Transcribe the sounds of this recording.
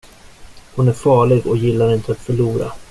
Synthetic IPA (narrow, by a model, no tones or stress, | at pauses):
hʊnæɾfɑːɭɪɡɔjɪlːaɾɪnt̪əat̪fœɭuːɾa̰